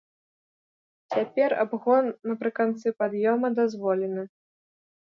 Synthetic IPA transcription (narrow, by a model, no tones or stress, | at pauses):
t͡sʲapʲɛra̰bɣɔnːɐpɾɨkant̪sɨpad̪jɔmɐd̪azvɔlʲɛnɨ